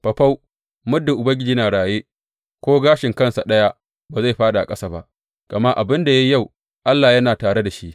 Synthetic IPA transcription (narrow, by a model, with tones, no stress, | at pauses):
pɐ˨ɸa˦w | mʊ˦dːʊ˨ʔʊ˨bɐ˦ŋɡʲɪ˦d͡ʒiː˦naː˨ɽaː˨jeː˦ | kʷoː˦ɡaː˦ʃɪ˨ŋkɐ˦˨nsa˨ɗɐ˦ja˦ | baː˨za˦˨jɸaː˦ɗa˨a˨kʼɐ˦sa˨ba̰˦ʔ | ɡ̥ɐ˨ma˦ʔa̰˨bɪ˦nda˨jɐ˦ja˦˨w | ʔa˦lːaː˨jɐ˦naː˨taː˨ɽe˦da˨ʃi˦ʔ